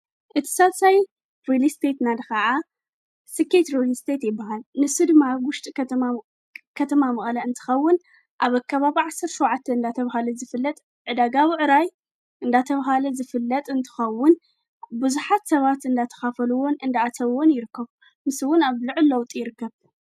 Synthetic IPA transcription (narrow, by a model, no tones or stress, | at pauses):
ʔɨt̪ʰi̥saβsaj | ɾelist̪ʰet̪nad̪ɨxaʕa | sɨkʰet̪ɾolist̪ʰet̪jɪbːahalnɨsɨd̪ɨmːawʊʃt̪ʼi | kʰɐt̪ʰɐmamɨχʼlɐɨnt̪ʰɨ̥xɐwːʊn | ʔaβakʰːaβaβiʕasːɐɾʃuwʕat̪ʰːɐɨnd̪at̪ʰɐβahalɐzɨfɨlːɐt̪ʼ | ʕɨd̪aɡawiʕɨɾaj | ʔɨnd̪at̪ʰɐβɦalɐzɨfɨlːɐt̪ʼɨnt̪ʰɨ̥xɐwːʊn | bɨzuħat̪sɐβat̪ɨnd̪at̪ʰɐ̥xafɐluwo̞nɨnd̪aat̪ʰɐβwo̞njɪɾɨkːɐβ | mɨsɨwʊnaβlɨʕɨlːɐwt̪ʼjɪɾɨkːɐβ